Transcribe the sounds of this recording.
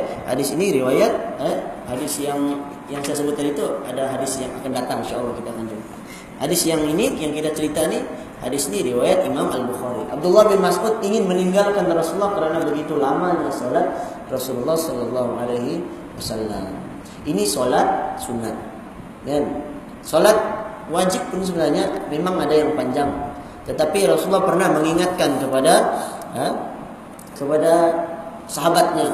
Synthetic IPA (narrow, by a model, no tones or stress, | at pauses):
ha̰dɪsiniɾiwajat̪̚əhadɪsjaŋ | jaŋsajasəbʊt̪̚ːadit̪ua̰daɦadɪsjaŋa̰kandat̪aŋinʃa̰lːɑhkit̪aːkand͡ʒumia | hadɪsjaŋinijaŋkit̪at͡ʃəɾit̪aini | ha̰dɪsiniɾiwajat̪imamalbuxaɾiʔa̰b̚d̪ulːɑhbɪnmasʔʊt̪̚iŋɪnməniŋɡalkanɾɔsulːɑhkəɾanabəɡit̪ulamaɲasolat̪̚ | rɔsululːɑhsɔlɔlːɑɦualaɦi | wasalːa̰m | inisolat̪̚sunːat̪̚ | ɡan | solat̪̚ | wad͡ʒɪp̚ːʊns̬əbənarɲamemaŋadajaŋpaɲd͡ʒaŋ | t̪ət̪apiɾɔsulːɑhpərnahməŋiŋat̪̚kankəpada | kəpada | saɦabat̪̚ɲa